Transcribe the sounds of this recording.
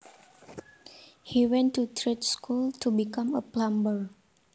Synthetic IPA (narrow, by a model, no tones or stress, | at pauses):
hiwɛ̃ntutʰɾetskultubikãməplãmbəɹ